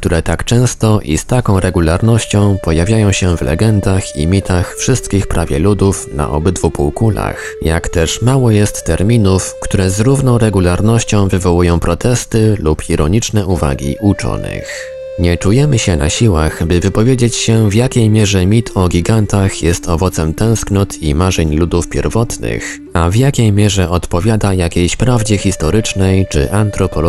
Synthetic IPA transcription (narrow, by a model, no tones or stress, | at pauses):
k̚t̪uɾɛt̪akt͡ʂɛ̃w̃st̪ɔʔḭst̪akɔ̃w̃ɾɛɡulaɾnɔɕt͡ɕɔ̃w̃pɔjavʲjajɔ̃w̃ɕɛvlɛ̰ɡɛnd̪axḭmʲit̪ʰaxfʂɘst̪kʲixpɾʔavʲjɛ̰lud̪ufna̰ʔɔ̰bɘd̪vupuwkula̰x | ja̰kt̪ɛʂmawɔjɛst̪ːɛɾmʲinufkt̪uɾɛzɾuvnɔ̃w̃ɾɛɡulaɾnɔɕt͡ɕɔ̃w̃vɘvɔwujɔ̃w̃pɾɔt̪ɛst̪ɘlupiɾʔɔɲit͡ʂnɛʔuva̰ɡʲḭʔut͡ʂɔ̰nɘ̰x | ɲɛt͡ʂujɛmɘɕɛnʔa̰ɕiwaxbɘvɘpɔvʲjed͡ʑet͡ɕɕɛvjakʲejmʲjɛʐɛmʲit̪ʰɔɡʲiɡant̪axjɛst̪ɔvɔt̪sɛmt̪ɛ̃w̃sknɔt̪ʰḭmaʐɛɲlud̪ufpʲjɛ̰ɾvɔt̪nɘ̰x | avjakʲejmʲjɛʐɛʔɔt̪pɔvʲjad̪ajakʲejɕpɾavd͡ʑɛxʲist̪ɔɾɘt͡ʂnɛjt͡ʂɘ̰ʔant̪ɾɔpɔ